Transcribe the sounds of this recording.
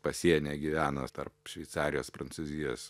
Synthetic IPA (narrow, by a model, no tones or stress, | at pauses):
pɐsʲiɛnʲeːɡʲiʋʲæːno̰t̪ɐrpʃʲʋʲɛɪtsɑːɾʲɪjoːspɾɐnsuːzʲɪjo̰ːs